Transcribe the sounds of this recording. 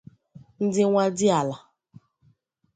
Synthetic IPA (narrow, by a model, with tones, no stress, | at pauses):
n̩˦dɪ˦ŋʷa˦dɪ˦a˨la˨